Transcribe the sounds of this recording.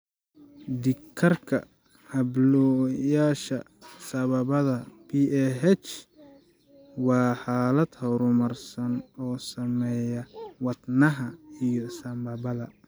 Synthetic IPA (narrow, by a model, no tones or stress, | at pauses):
d̪ɪkʰɐrkʰɐ | hɐblɔjaːʃɐ | sɐβɐβɐðɐpʰiɛɦɛt͡ʃ | wɑːħaːlɐd̪hɔɾʊmɐrsɐnɔːsɐmɛjɐwɑd̪nɐɦɐijɔsɐmbɐβɐðɐ